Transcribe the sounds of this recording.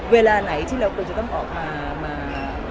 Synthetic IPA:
weː˧laː˧na˩˦jt̪ʰiː˥˩ɾa˧wkʰɯ˧nt͡ɕa˨˩t̪ɔ˥˩ŋʔɔː˨˩k̚maː˧ | maː˧

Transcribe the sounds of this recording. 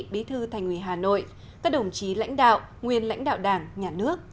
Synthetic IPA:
ɓi˨˦t̪ʰɨ˧t̪ʰa˨˩jŋ̟wi˧˩ɦaː˨˩no̰˧˨j | kaː˦˥k̚ɗə˨˩wŋ͡mt͡ɕi˨˦la̰˧˥jŋ̟ɗa̰ː˧˨wʔ | ŋwi˨˩ənla̰˧˥jŋ̟ɗa̰ː˧˨wɗaː˨˩ŋɲaː˨˩nɨ˦˥ək̚

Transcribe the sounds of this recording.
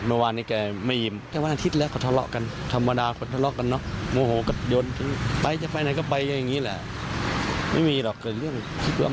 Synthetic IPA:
mɯ˧˩waː˧niː˧˩kɛː˧˩ma˧˥˩jji˨˩mt̪ɛː˧˩wa˧nʔa˧t̪ʰi˦˥t̪̚lɛː˦˥wkʰwt̪ʰa˧lɔ̰˧˥ʔka˧nt̪ʰa˧mːa˧daː˧kʰo˧˦nt̪ʰa˧lɔ˧˥ʔka˧nːɔ˦˥ʔmoː˧˦hoː˨˦kɔ˧˩jo˧nt̪ʰɯ˨˦ŋpa˧jt͡ɕa˧˩pa˧jna˨˩˦ka˧˩pa˧jka˧nja˨˩ŋːiː˦˥˨lɛ˧˩ | ma̰˥˩jmiː˧lɔ˨˩kkɤː˨˩t̪̚lɯ˥˩əŋ | kʰi˧t̪̚wa̰ː˧˨

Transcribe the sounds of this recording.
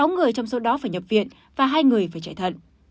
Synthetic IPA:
a˨˦wŋɨ˨˩əjt͡ɕɔ˧wŋ͡mso˨˦ɗɔ˨˦faː˧˩jɲə˨˩p̚vḭ˧˨ən | vaː˨˩ɦaː˧jŋɨ˨˩əjfaː˧˩jt͡ɕaː˧˩jt̪ʰə̰˧˨n

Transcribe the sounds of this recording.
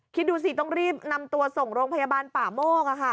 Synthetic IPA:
kʰi˦˥t̪̚duː˧s̬i˨˩t̪ɔ˥˩ŋɾiː˥˩p̚na˧mt̪u˧ɐso˨˩ŋɾoː˧ŋpʰa˧jaː˧baː˧npaː˨˩moː˥˩k̚ʔa˨˩kʰa˥˩

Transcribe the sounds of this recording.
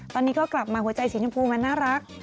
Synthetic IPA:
t̪ɔː˧nːiː˦˥kʰɔː˦˥˩kla˨˩p̚maː˧hu˩˦ət͡ɕa˧jsiː˨˩˦t͡ɕa˧mpʰuː˧ma˧nːaː˥˩ɾa˦˥k̚

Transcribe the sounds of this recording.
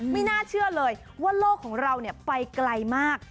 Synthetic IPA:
ma˥˩jnaː˥˩t͡ɕʰɯ˥˩ɐlɤː˧j | waː˥˩loː˥˩kʰːɔː˩˦ŋɾa˧wni˥˩pa˧jkla˧jmaː˥˩k̚

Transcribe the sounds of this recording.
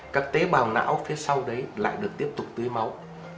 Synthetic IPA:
kaː˦˥k̚t̪e˨˦ɓaː˨˩wna̰ː˧˥wfi˨˦əsa˧wɗə˨˦jla̰ː˧˨jɗɨ˨˩ək̚t̪i˦˥əp̚t̪ʊ˨˩k͡p̚t̪ɨ˨˦əjma˨˦w

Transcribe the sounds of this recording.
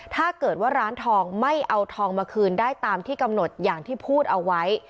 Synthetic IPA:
t̪ʰaː˥˩kɤː˨˩t̪̚waː˥˩ɾaː˦˥nt̪ʰɔː˧ŋma˥˩jʔa˧wt̪ʰɔː˧ŋmaː˧kʰɯː˧ndaː˥˩jt̪aː˧mt̪ʰiː˥˩ka˧mno˨˩t̪̚jaː˨˩ŋt̪ʰiː˥˩pʰuː˥˩t̪̚ʔa˧wa˦˥j

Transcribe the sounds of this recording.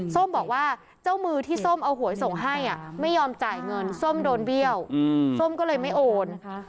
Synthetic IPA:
so˥˩mbɔː˨˩k̚waː˥˩ | t͡ɕa˥˩wmɯː˧t̪ʰiː˥˩so˥˩mʔa˧wɦu˨˩˦jso˨˩˦ŋɦa˥˩jʔa˨˩ma˥˩jːɔː˧mt͡ɕaː˨˩jŋɤ˧nso˥˩mdoː˧nbi˥˩əwso˥˩mkɔː˥˩lɤː˧jma˥˩jʔoː˧n

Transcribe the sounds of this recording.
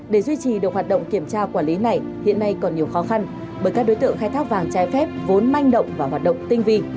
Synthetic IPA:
ɗe˧˩zwi˧t͡ɕi˨˩ɗɨ˨˩ək̚ɦwaː˨˩t̚ɗə̰˧˨wŋ͡mki˧˩əmt͡ɕaː˧kwaː˧˩nli˨˦na˨˩j | hḭ˧˨ənːa˧jkɔ˨˩nːi˨˩əwxɔ˨˦xa˧n | ɓəː˧˩jkaː˦˥k̚ɗo˨˦jt̪ɨ̰˧˨əŋxaː˧jt̪ʰaː˦˥k̚vaː˨˩ŋt͡ɕaː˨˦jfɛ˦˥p̚vo˨˦nma˧jŋ̟ɗə̰˧˨wŋ͡mvaː˨˩ɦwaː˨˩t̚ɗə̰˧˨ŋ͡mt̪ï˧ŋ̟vi˧

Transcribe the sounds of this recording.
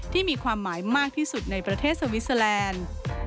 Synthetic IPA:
t̪ʰiː˥˩miː˧kʰwaː˧mːaː˩˦jmaː˥˩k̚t̪ʰiː˥˩su˨˩t̪̚na˧jpɾa˧t̪ʰeː˥˩sa˧wi˦˥sa˧lɛː˧n

